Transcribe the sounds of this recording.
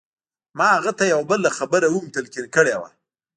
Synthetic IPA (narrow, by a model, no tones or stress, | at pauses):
mɑaɣat̪ajawbəlaxabəɾawumt̪alkinkəɽewa̰